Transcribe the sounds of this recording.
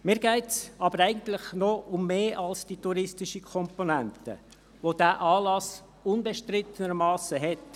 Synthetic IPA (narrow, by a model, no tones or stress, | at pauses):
mɪːɾɡæɪtsɑbəɾɛɪɡ̥ən̩t̪lɪχnoʊmːeːʔɑlsd̥ituɾɪstɪʃəkʰɔmponæntə̰ | ʋod̥æːʔɑːlɑs | ʊnbɛʃtɾɪt̪ːənəɾmɑːsəɦɛt